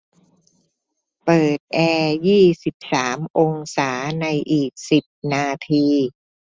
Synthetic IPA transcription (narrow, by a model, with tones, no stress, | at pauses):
pɤː˨˩t̪̚ʔɛː˧jiː˥˩si˨˩p̚saː˩˦mʔo˧ŋsaː˩˦na˧jʔiː˨˩k̚si˨˩p̚naː˧t̪ʰiː˧